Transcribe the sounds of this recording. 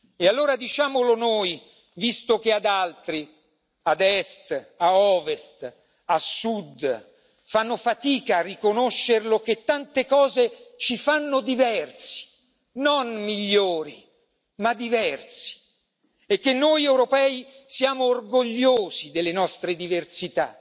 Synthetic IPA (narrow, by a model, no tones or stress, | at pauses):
ealːoːɾad̪it͡ʃaːmolonoːj | vist̪ok̟ead̪alt̪ɾi | ad̪ɛst̪aɔːvest̪ | asud̪ | fanːofat̪iːkaːrːikonoʃːerloket̪ːant̪ekɔːzet͡ʃifanːod̪ivɛrsi̥ | nonmiʎːoːɾḭ | mad̪ːivɛrsi̥ | ekːenːojɛwɾopɛːi | sjaːmoːrɡoʎːoːzid̪elːenɔst̪ɾed̪iversit̪a̰